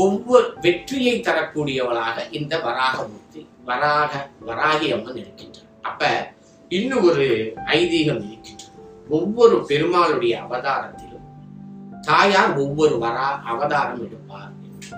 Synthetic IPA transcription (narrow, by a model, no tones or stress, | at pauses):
ɔʋːɔɾʋɛʈrɪjɐɪt̪ːɐɾɐkːuːɽɪjɐʋɐɭaːɣɐʔɪnd̪ɐʋɐɾaːɣɐmʊt̪ːi | ʋɐɾaːɣɐʋɐɾaːɣɪjɐmːɐnɛɾɯkːɪndrɐ | ɐpːɐ | ɪnːɯɔɾɯɐɪðiɣɐɭɪɾɯkːɪndrɐɔʋːɔɾɯpɛɾɯmaːlɯɽɐjɐːʋɐðaːɾɐt̪ːɪlɯm | t̪aːjaːɾɔʋːɔɾɯʋɐɾaːɐʋɐðaːɾɐmɛɽɯpːaːɾɛndrɯm